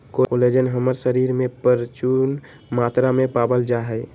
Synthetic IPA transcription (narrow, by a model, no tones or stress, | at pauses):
kooled͡ʒənɦəməɾsəɾiɾmepəɾt͡ʃun | mat̪ɾamepabəld͡ʒaɦəj